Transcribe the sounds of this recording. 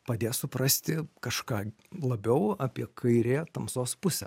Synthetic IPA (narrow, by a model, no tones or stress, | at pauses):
pɐd̪ʲeːsʊpɾɐsʲt̪ʲɪkɐʃkɑː | lˠɐbʲɛʊaːpʲiɛkʰɐɪɾʲeːt̪ɐmsoːspʊsʲɛ̰